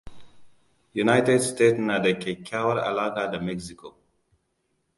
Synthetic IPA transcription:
junajtɛdstetsnadakʰekʰːawaɾa̰laɡadəmɛksikʰo

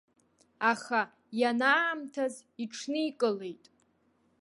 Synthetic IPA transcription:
aχa | janaːmtʰaziʈ͡ʂʰnɨikʼɨle̞jtʼ

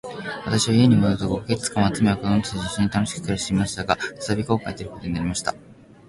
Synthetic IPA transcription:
βat̪aɕiβaie̞ɲ̟imoɯt̪oɡoket͡sɨ̥t͡sɨ̥kãat͡sɨmeakozontɨ̥ʑiɕĩɲːit̪ano̞ɕi̥kɯ̥t̪eɾaɕi̥t̪eimaɕi̥t̪aɡaɯ̥t̪ḁt̪abʲiko̞ːkait̪eɾɯ̟ko̞t̪o̞ɲinaɾʲimaɕi̥t̪a̰

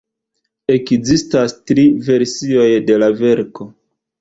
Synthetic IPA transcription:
e̞kzistastɾive̞ɾsio̞jde̞lave̞ɾko̞

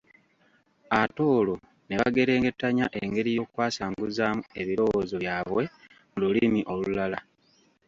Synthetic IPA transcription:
ato̞ːlo | ne̞βaɡe̞ɾe̞ːŋɡe̞tːaɲaʔeŋɡe̞ɾijo̞ːkwaːsaːŋɡuzaːmue̞βilo̞wozo̞jaːβwe̞ | mululimiʔo̞lulala

